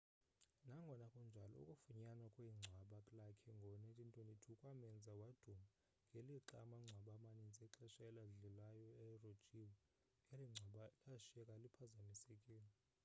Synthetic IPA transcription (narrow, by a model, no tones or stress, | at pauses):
naŋɡʱɔnakʼɔnd͡ʒʱalɔ̰ṵkʼufuɲanakʼweiŋ͡ǀʱwaɓakʼlakʰɛŋɡʱɔnɛtʼintʼenitʰukʼwamɛnd͡zʱawad̥ʱuma | ŋɡʱeliǁamaŋ͡ǀʱwaɓamanind͡zʼɛǁɛʃɛlaɮɛlajɔɛrod̥t͡ʃʼiwɔ | ŋeliŋ͡ǀʱaɓalaʃɛkʼalipʰazamisekʼiːlɛ